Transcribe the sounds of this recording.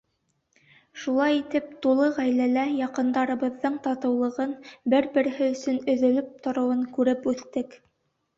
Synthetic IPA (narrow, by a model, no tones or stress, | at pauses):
ʃulˠɑjit̪ɘp̚t̪ulˠɤʁæjlælæjɑqɤ̆nd̪ɑɾɤ̆βɤ̆ðːɤɴt̪ɑt̪ɤ̆wlˠɤ̆ʁɤnbɘɾbɘ̆ɾɘ̆hɘɵ̆sɵnɵ̆ðɵ̆lɵp̚t̪ŏɾɤ̆wɤŋkʉɾɘpʉθt̪ɘk